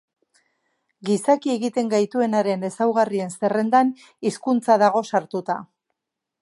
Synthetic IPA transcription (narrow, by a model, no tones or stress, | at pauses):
ɡisakie̞ɣit̪e̞ŋɡajt̪ue̞naɾe̞ne̞sawɣarie̞nse̞re̞nd̪an | iskunt͡saðaɣ̞o̞saɾt̪ut̪a